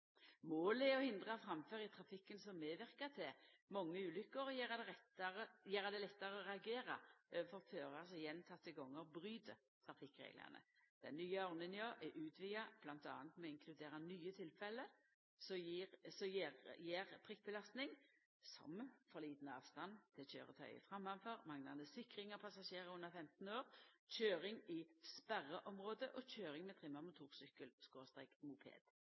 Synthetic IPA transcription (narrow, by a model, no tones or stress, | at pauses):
moːlɛɔhɪnd̪ʁɑfɾɑmføːɾɪt̪ʰʁɑfɪkːənsɔmːeːʋɪʁkɑt̪ʰɛmɑŋːəʉːlʏkːəɾɔjeːʁɑd̪ɛʁɛt̪ːɑʁəjeːʁɑd̪ɛlɛt̪ːɑʁəɔʁɛɑɡeːʁɑ̰øːʋəfɔʁføːʁɑsɛjɛnt̪ʰɑt̪ːəɡɔŋːəbʁyːd̪ə | t̪ʰʁɑfɪkʁḛːɡlə̰ʁnə̰d̪̥ɛnːyːəɔʁnɪnjɑːʔɛʔʉːt̪ʰʋɪːɑb̥lɑnt̪ɑ̰ːnt̪mɛɔɪŋkʰlʉd̪eːɾɑnyːət̪ʰɪlfɛlːə | sɔsɔjʁjeːʁp̪ʰʁɪk̚bəlɑst̪nɪŋ | sɔ̰mfɔɾliːt̪nəɑ̰ːʋst̪ɑnt̪ʰɪlçø̰ːʁə̰t̪ʰœ̰ʏə̰fʁɑmːɑnføʁmɑŋnɑnəsɪkʁɪŋɑpʰɑsɑʃeːʁəʉnːəʁfɛmt̪n̩oːʁc͡çøːɾɪŋɪspæʁəʔɔmʁoːd̪əʔɔçøːʁɪŋmɛːt̪ʰʁɪmɑmʊt̪ʰuːʁsʏkəlskoːst̪ʁɛ̰kmupʰḛːd̪̥